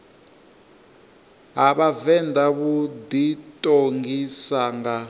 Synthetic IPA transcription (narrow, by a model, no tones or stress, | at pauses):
ɦaβavɛndaβud̪itʼoŋɡisaːŋɡa